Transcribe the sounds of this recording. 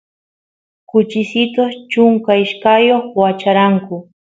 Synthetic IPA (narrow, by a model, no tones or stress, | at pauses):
kʊt͡ʃɪsɪt̪ot͡ʃʊŋkaɪʃkajoχwat͡ʃaɾaŋkʊ